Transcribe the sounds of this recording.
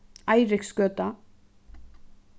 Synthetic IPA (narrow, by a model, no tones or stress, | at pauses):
ajɾɪkskœːt̪a